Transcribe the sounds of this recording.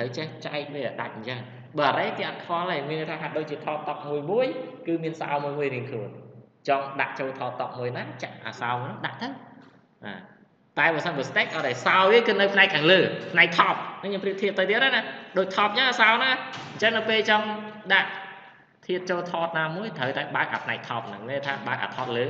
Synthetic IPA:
t̪ʰəwt͡ɕɛht͡ɕaɛk̚ʋiəʔaːɗa̰c̚ɲ̩t͡ɕəŋ | ɓəːʔaɾəjt̪iʔat̪̚kʰɔələːmiənːəjt̪ʰaːɦaɗoːc̚t͡ɕiət̪ʰɑːt̪̚t̪ɑp̚muəjmuəjkɨːmiənsa̰ɔmuəjmuəjriəŋkʰluənt͡ɕɑmɗa̰ʔt͡ɕoːlt̪ʰɑːt̪̚t̪ɑp̚muəjnaːt͡ɕaʔʔa̰ːsaɔnɨŋɗa̰ʔt̪əw | ʔa̰ː | t̪aɛɓasənɓəst̪ekʔat̚ajsaɔwriəŋkɨːnɨwpʰnaɛk̚kʰːaːŋləːpʰnaɛk̚t̪ʰɑːp̚nɨŋɲoːmpriəʔ̚t̪ʰiət̪ːɨwt̪iəp̚ɗanaɗoːc̚t̪ʰɑːp̚ɲəʔaːsaɔnaːɲt͡ɕəŋnɨwpeːlt͡ɕɑŋɗaʔ | t̪ʰiət̪̚t͡ɕoːlt̪ʰɑːt̪̚naːmuəjt̪ʰəwt̪aɛɓaək̚ʔa̰ːpʰnaɛk̚t̪ʰɑːp̚naŋlət̪ʰaːɓaək̚a̰ːt̪ʰɑːt̪̚ləː

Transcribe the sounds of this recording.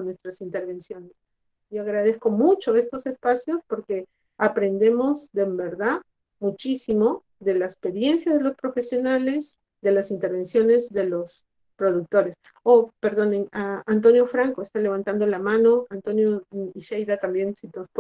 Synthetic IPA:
nwest̪ɾasint̪e̞ɾβ̞e̞nsjo̞nes | iaɣɾaðe̞sko̞mut͡ʃo̞e̞st̪o̞se̞spasjo̞spo̞ɾke̞ | apɾe̞nd̪e̞mo̞zðe̞mbe̞ɾðað | mut͡ʃisimo̞ | ðe̞laespe̞ɾje̞nsjaðe̞lo̞spɾo̞fe̞sjo̞nale̞s | d̪e̞lasint̪e̞ɾβe̞nsjo̞ne̞zðe̞lo̞s | pɾo̞ðuk̚t̪o̞ɾe̞s | ope̞ɾðo̞nenaant̪̬o̞njo̞fɾaŋkoest̪ale̞β̞ant̪and̪o̞lamãno̞ant̪o̞njo̞iʃejðat̪ambje̞nsit̪osp

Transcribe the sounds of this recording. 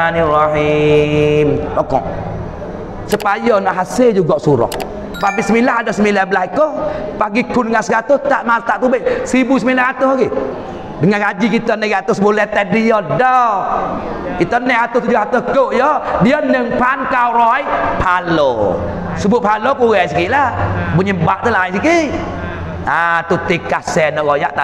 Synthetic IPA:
aniraɦi | mt̪ɔkɔ̰ʔ | səpajɔnaʔɦaseld͡ʒuɡɔʔsuɾɔ̰h | papisəmilaɦadɔʔsəmilabəlahikɔpaɡikundəŋansəɡat̪oht̪aʔmat̪aʔt̪ubeʔsibusəmilahat̪ohaɡi | dəŋankad͡ʒikit̪ɔnɛkat̪osəbolɛht̪ɛdijɔdɔ | kit̪ɔnːɛat̪ʊt̪ud͡ʒʊhat̪əkoʔjɔdiɔnəŋpankawrɔjpʰalo | səbʊʔ̚palokuɣɛsikiʔlabuɲəbaʔt̪əlaisikiʔ | at̪ut̪ɪkːasɛnɔʔɣoja̰ʔt̪a

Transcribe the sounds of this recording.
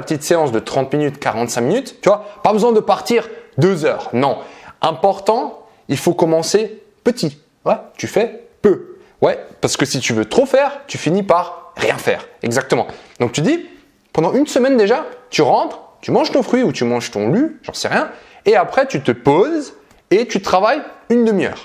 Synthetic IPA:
pət̪it̪seɑ̃sd̪ət̪χɑ̃t̪minyt̪kaʁɑ̃t̪sɛ̃minyt̪ːyvwapabəzwɛ̃d̪əpaʁt̪iʁd̪øzœːʁnɔ̃ɛ̃pɔʁt̪ɑ̃ | ilfokɔmɑ̃se | pət̪i | wɛt̪yfɛpø | wɛpaʁsə̥kəsit̪yvøt̪χofɛʁt̪yfinipaʁːjɛ̃fɛ̰ːʁɛɡzak̚t̪əmɑ̃d̪̥ɔ̃k̚t̪yd̪i | pɑ̃d̪ɑ̃ynsəmɛnd̪eʒat̪yʁɑ̃t̪χt̪ymɑ̃ʒt̪ɔ̃fχɥiut̪ymɑ̃ʒt̪ɔ̃lyʒɑ̰̃sɛ̰ʁjɛ̃ | eapχɛt̪yt̪əpoz | et̪yt̪χavajynd̪əmijœ̰ːʁ

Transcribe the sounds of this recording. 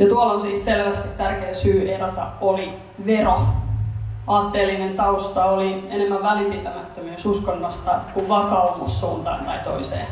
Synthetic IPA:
jɑt̪uɑlonsiːsselʋæst̪it̪t̪ærkeːsyːʔeɾot̪ɑoli | ʋero | ɑːt̪ːeːlːinent̪ɑust̪ɑolienemːæʋʋælipit̪æmæt̪ːømyøːsuskonːɑst̪ɑkuʋʋɑkɑmɑsːuːnt̪ɑ̰ːnt̪ɑ̰it̪o̰isḛː

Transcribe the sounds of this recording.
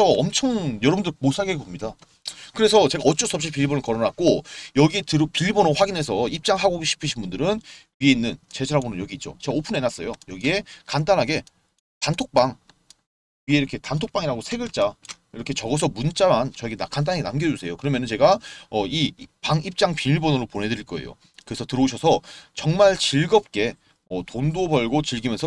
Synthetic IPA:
sʰʌʌmt͡ɕʰʌŋjʌɾʌbundɯɭmosʰaɡeɡoomɲida | kɯɾe̞sʰʌt͡ɕe̞ɡaʌt͡ɕ͈os͈ʰʌpɕ͈ipiɭbonɯɭkʌɾʌnak̚k͈ojʌɡie̞tɯɾopiʎbonoɸwaɡinɦe̞s̬ʰʌip̚t͡ɕ͈aŋɦaɡoɡɕʰi̥pʰɯɕʰinbundɯɾɯnɥie̞inːɯnt͡ɕe̞d͡ʑʰaɾabonɯnjʌɡiit̚t͡ɕ͈o̰t͡ɕe̞ɡaopʰɯne̞nas͈ʌjojʌɡie̞kandanɦaɡe̞ | tantʰok̚p͈aŋ | ɥieiɾʌkʰe̞tantʰok̚p͈aŋiɾaɡosʰe̞ɡɯɭt͡ɕ͈a | iɾʌkʰe̞t͡ɕʌɡʌs̬ʰʌmunt͡ɕ͈amant͡ɕʌeɡenakandanaɡenamɡjʌd͡ʑusʰe̞jokɯɾʌmjʌnɯnt͡ɕe̞ɡaʌipaŋip̚t͡ɕ͈aŋpiniɭbʌnɯɾoponɦe̞dɯɾiɭk͈ʌe̞̰jo̰ | kɯɾe̞sʰʌtɯɾʌuɕ̬ʰʌsʰʌt͡ɕʌŋmaɭt͡ɕiɭɡʌp̚k͈e̞ | ʌtondobʌɭɡot͡ɕiɭɡimjʌnsʰʌ

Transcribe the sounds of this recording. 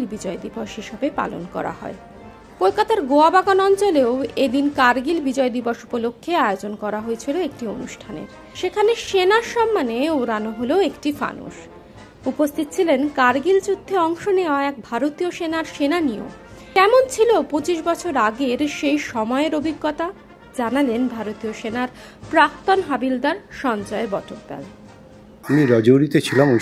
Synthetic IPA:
lbid͡ʑɔed̪iboʃɦiʃobepa̰lo̰nkɔ̰ɾa̰hɔ̰e | kolkat̪aɾɡoabaɡonɔnt͡ɕoleoed̪inkaɾɡilbid͡ʑɔed̪iboʃupolokʰːeaeod͡ʑonkɔɾaɦoet͡ɕʰiloek̚ʈionuʃʈʰanḛɾ | ʃekʰaneʃenaɾʃɔmːaneoɾanoɦoloekʈifa̰nṵʃ | upost̪ʰit̪̚ːt͡ɕʰilenkaɾɡild͡ʑud̪ʱːeɔŋʃoneoaɛk̚bʱaɾot̪ioʃenaɾʃenanio̰m | kɛmont͡ɕʰilopot͡ɕiʃbɔt͡ɕʰoɾaɡeɾʃejʃɔmɔeɾobʱiɡːɔt̪a | d͡ʑanalenbʱaɾot̪ioʃenaɾ | pɾak̚t̪onɦabild̪aɾʃɔnd͡ʑɔebɔʈʰok̚bɛ̰l | amiɾɔd͡ʑoɾit̪et͡ɕʰilamu

